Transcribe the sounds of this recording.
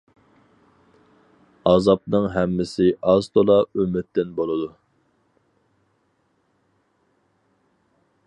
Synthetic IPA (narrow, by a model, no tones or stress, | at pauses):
ɑzɑpnɨŋɦɛmːɪsɪʔɑzt̪ʰolˠɑømɪt̪ːɪnbolˠɨd̪u